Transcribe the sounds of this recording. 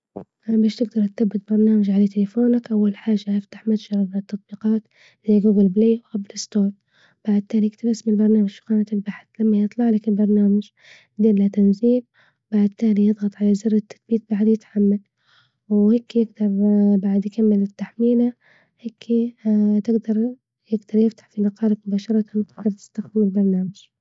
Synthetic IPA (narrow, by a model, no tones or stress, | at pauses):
beːʃt̪ɪɡ̚d̪ɑɾˤt̪t̪abːɪt̪̚bɑɾˤnaːmad͡ʒʕalat̪ɪlɪfoːnakʔawːalħaːʒajɪft̪ḁħmat̪ʒɑɾˤɑbnɪt̪ːɑt̪ˤbiːqɑːt̪ | zajːɡuːɡɪlbleːwʔablɪst̪oːt | b̥aʕd̪̚t̪aːlijɪɡt̪abɪsmɪnlbɑɾˤnaːmad͡ʒkaːnat̪ɪlbaħθlamːajɨt̪ˤlɑʕlakɪlbɑɾˤnaːmad͡ʒ | d̪iːllat̪anziːl | baʕd̪̚t̪aːlijɨðˤɣɑt̪ˤʕalazɪrːat̪ːḁt̪biːt̪̚baʕd̪jɪt̪ħamːal | wheːkːjɪɡd̪ɑɾˤbaʕd̪jɪkamːɪlɪt̪ːaħmiːla | heːkʰːit̪ɪɡd̪ɑɾˤ | jɪɡd̪ɑɾˤjɪft̪ḁħfilɑqɑːlakmʊbaːʃɑɾˤɑt̪ant̪ɪɡd̪ɑɾˤt̪ɪ̥st̪axd̪ɪmɪlbɑɾˤnaːmaʒ̥